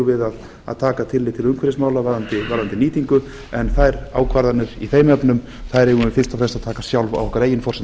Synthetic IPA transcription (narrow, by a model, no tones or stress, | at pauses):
vɪðað | a̰ðt̪ʰaːkat̪ʰɪlːɪt̪ʰɪlʏŋkʰvɛɾɪsmaːwlavaɾðant̪ɪvaɾðant̪ɪniːt̪iŋkʏ | ɛnθajɾa̰ːwkʰvaɾðanːʏɾ̥iθeːjmɛpnʏm | θaðɾɛɣʏɪfɪ̥st̪afɾɛlst̪aðt̪ʰaːkasjawlva̰wɔhkvaɾeːjɪnfɔrsɛ